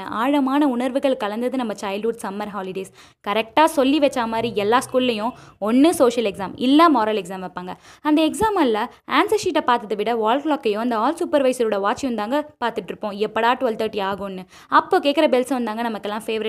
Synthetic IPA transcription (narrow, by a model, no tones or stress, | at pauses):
ʔaːɻɐmaːnɐʊɳɐɾʋɯɣɐɭkɐlɐnd̪ɐðɯnɐmːɐt͡ʃɐɪlɖuːɖsɐmːɐɾɦaːlɪɖeːs | kɐɾɛk̚ʈaːsɔlːiʋɛt͡ʃːaːmaːd̪ɾiɛlːaːskuːlɪlɐjʊ̃ɔnːɯsoːʃɐlɛksaːmɪ̰lːaːmoːɾaːlɛksaːmʋɐpːaːŋɡɐɐnd̪ɐɛksaːmɐllɐ | aːnsɐsiːʈːɐpaːɾt̪ɐðɯʋɪɽɐʋaːlkɭaːkːɐjʊ̃ɐnd̪ɐaːlsʊpːɐɾʋɐɪsɾʊɽɐʋaːt͡ʃːɪjʊ̃nd̪aːŋɡɐpaːɾt̪ɯʈːɪɾɯpːõːɛpːɐɽaːʈʋɐlt̪ɐːʈːiaːɣʊ̃nːɯ | ɐpːoːkeːʈkːɪɾɐbɛlsɐʋɐnd̪aːŋɡɐnɐmɐkːɛlːãːfeːʋɐɾɪ